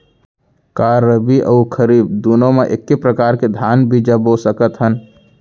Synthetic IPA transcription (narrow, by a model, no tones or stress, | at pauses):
kaɾəbiʔə̰ukʰəɾiːbd̪unõmeʔekːepɾəkaːɾked̪ʱjaːnbid͡ʒəbosəkət̪ɦən